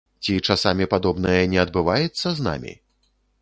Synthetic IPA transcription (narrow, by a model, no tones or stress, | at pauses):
t͡sʲit͡ʂasamʲipad̪ɔbnɐjɐnʲɛɐd̪̚bɨvajɛt̪sːɐzna̰mʲḭ